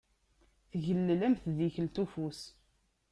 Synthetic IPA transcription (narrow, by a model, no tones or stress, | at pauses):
θʝəlːlæmθðiçəlt̪ufus